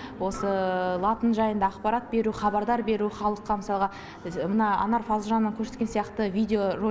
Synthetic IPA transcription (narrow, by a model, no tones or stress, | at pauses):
wo̞səlˠɑt̪ənʒɑjənd̪ɑːqpɑɾɑt̪̚be̞ɾuχɑbɑɾd̪ɑɾbe̞ɾuχɑlˠəqːɑməsɑlˠʁɑ | mənɑɑ̰nɑrfɑzʒɑnːəŋkʲʰɵɾset̪kʲesijɑqt̪əvʲijd̪ʲeo̞ʒo